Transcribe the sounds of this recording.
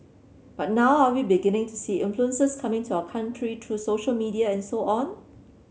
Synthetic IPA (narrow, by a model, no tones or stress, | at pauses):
b̥at̚nawawibiɡɪnɪ̃ŋtʰusiːʔɪ̃nfluə̃nsəskʰamɪ̃ŋtʰuaʊəkʰãntʰɹitʰɹusoʃəlmidiaɛ̃nsoʔɔ̃n